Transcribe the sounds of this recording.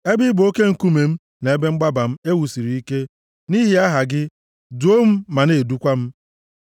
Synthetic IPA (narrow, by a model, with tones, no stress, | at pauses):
e˦bɪ˦bʊ˨o˦ke˦ŋ̩˨ku˦me˨m̩˦ | na˨e˦be˦ŋ͡m̩˦ɡ͡ba˦ba˨m̩˦e˦wu˨si˨ɾi˨i˦ke˦ | ni˦ɦi˦a˦ɦa˨ɡɪ˦ | du˨˦o˦m̩˦ma˨ne˨du˦kʷa˦m̩˦